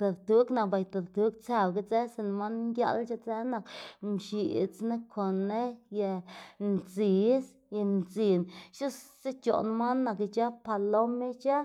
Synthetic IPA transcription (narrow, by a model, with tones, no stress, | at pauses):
t̪a˨d̪t̪u˦kna˨k̚ba˨jt̪a˨d̪t̪u˦kt͡sa˧˨bɡa˦t͡se˦se˧n˧ma˦nnd̪ʲja̰˦lt͡ʃa˦t͡se˦na˨kmʃi˨t͡sne˦kʰo˨nːe˦je˧nzi˨s | ja˧nzi˨nʃu˦sse˦t͡ʃo̰˨n˧ma˦nːa˧˨kt͡ʃa˦pa˧lo˦me˦t͡ʃa˦